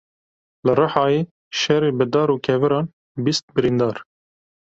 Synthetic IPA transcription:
lɨrɨħɑːjeː | ʃɛɾeːbɨd̪ɑːɾuːkʰɛvɨɾɑːn | bist̪̚bɨɾind̪ɑːɾ

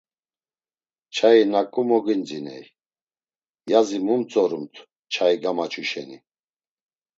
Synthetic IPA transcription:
t͡ʃʰainakʼumɔɡind͡zinɛ̰j | jazimumt͡sʼɔɾumt̪ʰ | t͡ʃʰaiɡamat͡ʃʰuʃɛ̰ni

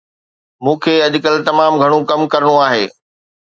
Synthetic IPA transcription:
mũːkʰeːɐʄʊkəlt̪ɐmaːmɡʱɐɽ̃õkɐmkɐɾəɽ̃oaːɦeː

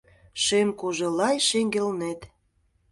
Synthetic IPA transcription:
ʃemkoʒĕlɑjʃeŋɡelnet̪

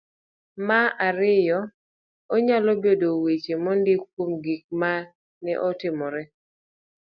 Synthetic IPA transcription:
maʔaɾɪjɔ | ɔɲalɔbedowet͡ʃemɔndikwomɡik̚ma | nɛ̰ʔɔtɪmɔɾɛ

